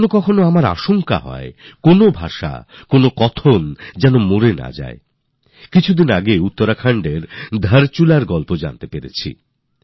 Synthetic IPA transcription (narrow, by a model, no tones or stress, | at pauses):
nokɔkʰonoamaɾa̰ʃoŋka̰ɦɔ̰ekonobʱaʃa̰konokɔt̪ʰond͡ʑɛnomoɾena̰d͡ʑa̰e | kit͡ɕʰud̪inaɡeut̪ːoɾakʰaɳɖeɾd̪ʱaɾt͡ɕulaɾɡɔlpod͡ʑa̰nt̪epeɾḛt͡ɕʰḭ